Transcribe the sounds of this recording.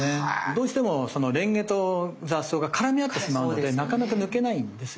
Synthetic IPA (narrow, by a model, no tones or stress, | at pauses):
ed̪o̞ːɕi̥t̪e̞mo̞so̞no̞ɾẽ̞ŋɡe̞t̪ozasːo̞ːɡakaɾamʲiat̪ːe̞ɕimaɯno̞d̪e̞nakanakanɯ̟ke̞naĩnd̪e̞sɨ̥